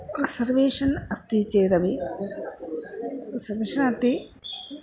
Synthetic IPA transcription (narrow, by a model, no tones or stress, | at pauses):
risɐɾʋeːʂɐnɐst̪it͡ʃeːɾɐʋi | rsɐɾʋeːʂɐnɐt̪ːi